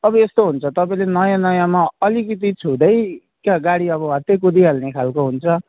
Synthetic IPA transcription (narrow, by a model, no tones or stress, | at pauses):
ʌbʌest̪oɦunt͡sʰʌt̪ʌpaĩlenʌjãnʌjãmaʌlikit̪̬it͡sʰud̪ʌj | kaɡaɽiʌβʌat̪ekud̪iɦalnekʰalkoɦunt͡sʰʌ